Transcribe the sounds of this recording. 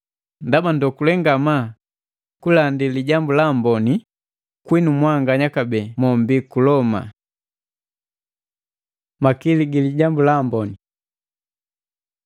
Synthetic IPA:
ndabandɔkulɛŋɡama | kulandiliɟambulambɔni | kwinumwaŋɡaɲakabɛːmɔmbikulɔma̰ | makiliɡiliɟambulambɔni

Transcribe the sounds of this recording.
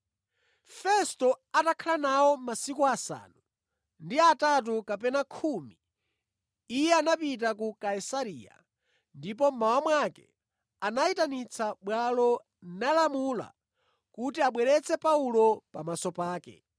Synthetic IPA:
fɛstɔatakʰalanaɔmasikuasa̰ːnu | ndiatat̬ukapɛnakʰuːmi | jɛanapit̬ak̬ukaisaɾiːja̰ | ndip̬ɔmawamwakɛ̰ | anaitanit͡sʰaɓwalɔ | nalamula̰ | kutiaɓwɛɾɛt͡sʰɛpaulɔpamasɔpaːkɛ̰

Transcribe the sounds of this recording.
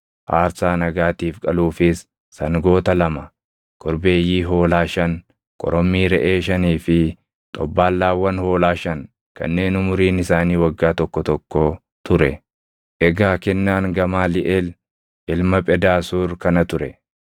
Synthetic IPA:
ʔaːɾsaːnɐɡaːt̪iːfkʼɐluːfɪsː | ɐŋɡo̞ːt̪ɐlɐmɐ | kʰʼɔɾbe̞ːjːiːɦo̞ːlaːʃɐn | kʼɔ̰ɾɔmːiːɾɛʔeːʃɐniːfɪ | t̪ʼɔbːaːlːaːwːɐnho̞ːlaːʃɐŋ | kɐ̰nːe̞ːnʊmʊɾiːnɪsaːniːwɐɡːaːt̪ɔkːɔt̪ɔkːo | t̪ʊɾɛ | ʔɛɡaːkɛnːaːŋɡɐmaːlɪʔɛl | ʔɪlmɐpʼɛd̪aːsuːɾkɐnɐt̪ʊɾɛ

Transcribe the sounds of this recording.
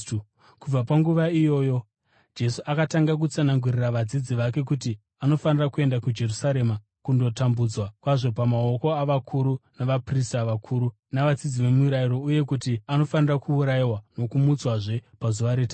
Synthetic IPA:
kub͡vapaŋɡuʋaijo̞ːjo̞ | d͡ʒe̞suʔakataŋɡak̬ut͡sanaŋɡuriraʋad͡zid͡ziʋake̞k̬uti | ano̞fanirakue̞ndakud͡ʒe̞rusaɾe̞ma | kundo̞tambud͡zwakwaʐo̞pamao̞ko̞aʋakʰuɾunaʋapristaʋakʰuːɾu | naʋad͡zid͡ziʋe̞muuɾaiɾo̞uje̞k̬utiano̞fanirakuːɾaiwano̞kumut͡swaʐe̞pazuʋaɾeta

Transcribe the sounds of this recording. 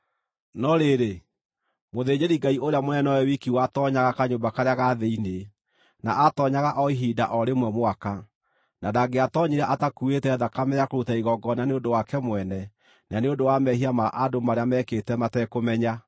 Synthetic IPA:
nɔɾeɾe | moðeɲeɾiɡaiʔoɾeamonɛnɔwɛwikiwatɔɲaɣakaɲombakaɾeaɣaðeine | naʔatɔɲaɣaʔɔiɦiːda̰ʔɔɾemwɛmoaka | nadaɡeatɔɲiɾaʔatakuetɛðakamɛakoɾutaiɣɔɡɔnaneondowakɛmwɛnɛ | naneodowamɛhiamaʔadomaɾeamɛketɛmatɛkomɛɲa

